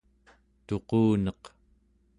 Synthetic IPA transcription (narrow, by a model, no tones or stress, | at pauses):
t̪o̞quːnʌq